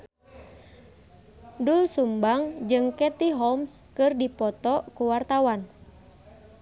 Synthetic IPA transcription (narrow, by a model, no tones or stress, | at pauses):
dulsumbaŋd͡ʒɨŋkɛt̪iɦɔmskɨrdipɔt̪ɔkuwart̪awan